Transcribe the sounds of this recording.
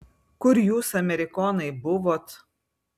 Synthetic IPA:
kʊɾjuːsɐmʲɛɾʲɪkɔːnɐɪbʊʋoːt̪

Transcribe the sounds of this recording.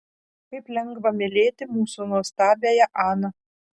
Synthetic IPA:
kɐɪplʲɛŋɡbɐmʲɪlʲeːt̪ʲɪmuːsunuɔst̪ɑːbʲeːjɛʔɑːnɐ

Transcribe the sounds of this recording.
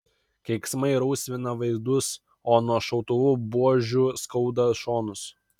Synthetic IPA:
kʲɛɪksmɐɪɾɐʊsʲʋʲɪnɐʋɐɪzd̪ʊs | oːnuɔʃɐʊt̪ʊʋubuɔʒʲuːskɐʊd̪ɐʃoːnʊs

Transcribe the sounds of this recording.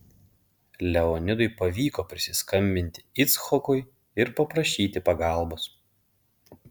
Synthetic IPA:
lʲɛɔnʲɪd̪ʊɪpɐʋʲiːkoːpʲɾʲɪsʲɪskɐmʲbʲɪnʲt̪ʲɪɪt̪sxɔkʊɪ | ɪɾpɐpɾɐʃʲiːt̪ʲɪpɐɡɑˑlˠˑbʊs

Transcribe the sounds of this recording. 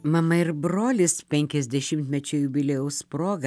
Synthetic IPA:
mɐmɐɪɾbɾoːlʲɪspʲɛŋʲkʲɛzʲd̪ʲɛʃʲɪmt̪ʲmʲɛt͡ʃʲʊjʊbʲɪlʲɛjɛʊspɾoːɡɐ

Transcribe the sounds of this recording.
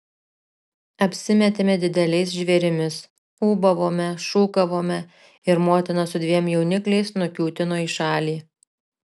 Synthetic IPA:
ɐpʲsʲɪmʲɛt̪ʲeːmʲɛd̪ʲɪd̪ʲɛlʲɛɪs̬ʒʲʋʲɛɾʲɪmʲɪs | uːbɐʋoːmʲɛʃuːkɐʋoːmʲɛ | ɪɾmoːt̪ʲɪnɐsʊd̪ʲʋʲiɛmjɛʊnʲɪklʲɛɪsnʊkʲuːt̪ʲɪnoːiːʃɑːlʲiː

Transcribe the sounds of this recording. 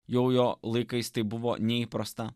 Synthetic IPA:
jɛʊjoːlˠɐɪkɐɪst̪ɐɪbʊʋoːnʲɛipɾɐst̪ɐ

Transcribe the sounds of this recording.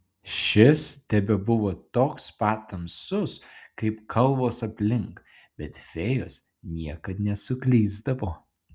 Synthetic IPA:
ʃʲɪst̪ʲɛbʲɛbʊʋoːt̪oːkspɑːt̪ɐmsʊskɐɪpkʰɐlˠʋoːsɐpʲlʲɪŋk | b̥ʲɛt̪fʲeːjʊs | nʲiɛkɐt̪nʲɛsʊklʲiːzd̪ɐʋoː

